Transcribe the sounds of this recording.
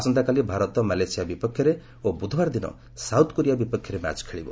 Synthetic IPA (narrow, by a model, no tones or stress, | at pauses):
asɔnt̪akalibʱaɾɔt̪ɔmalejsijabipɔkʰːjɔɾe | obud̪ʱɔbaɾd̪inɔ̰ | sawt̪ɔ̥koɾijabipɔkʰjɔɾema̰t͡ʃkʰeɭibɔ̰